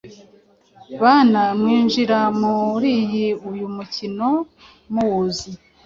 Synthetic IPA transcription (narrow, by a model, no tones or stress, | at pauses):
βaːnamŋiːnʒiɾamuɾiːjiujumucino̞ | muwuzi